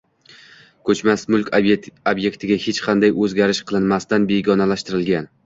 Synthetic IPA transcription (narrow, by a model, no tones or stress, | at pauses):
kʰɵt͡ʃmasmʊlˠkʲʰobje̞kt̪ʰɪɡʲahet͡ʃqʰɑnd̪ajɵzɡʲaɾɪʃqʰɨlˠɪnmast̪anbeɡʲɒnalaʃt̪ɪɾɪlɡʲan